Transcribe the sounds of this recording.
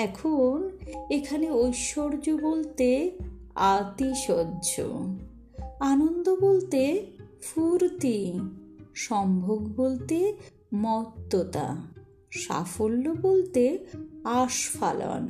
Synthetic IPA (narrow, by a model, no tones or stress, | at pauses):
ɛkʰonekʰaneojʃoɾd͡ʑobolt̪e | at̪iʃɔdːd͡ʑo̰ | anond̪obolt̪e | fuɾt̪i | ʃɔmbʱoɡbolt̪e | mɔt̪ːot̪a̰ | ʃa̰folːobolt̪eaʃfa̰la̰n